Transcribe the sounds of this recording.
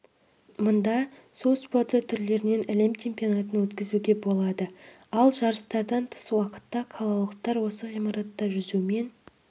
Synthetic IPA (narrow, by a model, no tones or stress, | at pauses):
mʊnd̪ɑsolˠspo̞rt̪ət̪ʰːʏɾle̞ɾɪne̞næle̞mt͡ʃʰempʲijonat̪ənwɵt̪kʲɪzuɡʲe̞bo̞lˠɑd̪ə | ɑlˠʒɑɾəst̪ɑɾd̪ɑnt̪ʰə̥swɑqə̥t̪ːɑqʰɑlˠɑlˠəqt̪ɑɾwo̞səʁijmɑɾɑt̪ːɑʒʏzume̞n